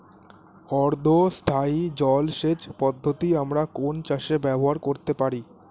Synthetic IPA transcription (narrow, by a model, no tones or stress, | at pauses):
ɔɾd̪ʱost̪ʰaid͡ʑɔlʃed͡ʑpɔd̪ʱːot̪iamɾakont͡ɕaʃebɛboɦaɾkoɾt̪epaɾi